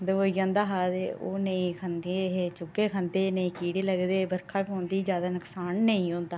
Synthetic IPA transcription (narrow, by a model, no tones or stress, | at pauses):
d̪əʋoːijãːnd̪aːɦaːd̪eʔo̰ːnəĩːkʰənd̪eɦet͡ʃʊɡeːkʰənd̪eːnəĩːkiːɽiːləɡd̪eːbəɾkʰaːbiõːnd̪iːd͡ʒjaːd̪aːnəksaːnːəĩːɦõːnd̪aː